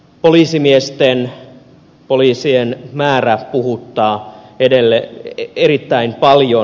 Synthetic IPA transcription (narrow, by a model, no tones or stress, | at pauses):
poliːsimiest̪en | poliːsienmæːræpuhut̪ːɑːedelːeeɾit̪ːæimpɑljo